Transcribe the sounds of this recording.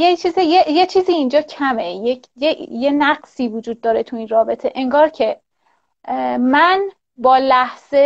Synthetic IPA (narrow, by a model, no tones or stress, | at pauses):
jet͡ʃʰiːzijejet͡ʃʰiːziːind͡ʒɒːcʰæmeje | jejenæɢsiːvud͡ʒuːd̪̚ːɒːɾe̞t̪ʰuiːnrɒːbe̞t̪ʰe̞ʔeŋɡɒːɾcʰe̞ | mæn | bɒːlæhz̥e